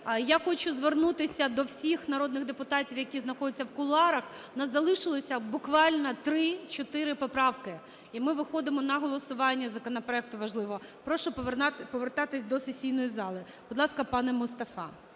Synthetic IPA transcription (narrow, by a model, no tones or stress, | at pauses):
jaxɔt͡ʃʊzʋernut̪ɪsʲɐd̪ɔwsʲixnɐɾɔd̪nɪɣd̪epʊt̪ɑtʲiwjɐkʲiznɐxɔdʲɛt͡sʲːɐwkʊlˠɑɾɐx | nɐzɐlˠɪʃɪlˠɔsʲɐbʊkʋɑlʲnɐt̪ɾɪt͡ʃɔt̪ɪɾɪpɔpɾɑwkɪ | imɪʋɪxɔd̪ɪmɔnɐɦɔlˠɔsʊʋɑnʲːɐzɐkɔnɐpɾɔɛk̚t̪ʊʋɐʒlˠɪʋɔpɾɔʃʊpɔʋert̪ɑt̪ɪsʲd̪ɔsesʲijnɔjizɑlˠɪ | b̥d̪lˠɑskɐpɑnɛmʊst̪ɐfɑ̰